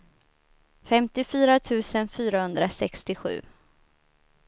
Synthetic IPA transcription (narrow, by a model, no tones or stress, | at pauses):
fɛmt̪ɪfyːɾat̪ʰʉ̟ːsənfyːɾahɵnd̪ɾasɛkst̪ɪɧʉ̟̰ː